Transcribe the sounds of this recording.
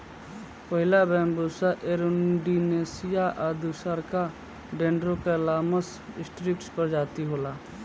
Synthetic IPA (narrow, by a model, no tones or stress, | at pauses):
pəɦɪlabɛ̃ːmbuːsaʔeɾʊɖineːsɪjaʔad̪usəɾka | ɖẽːɳɖɾokelaːməs | ɪsʈɾɪkʈspəɾd͡ʒaːt̪iɦoːlaː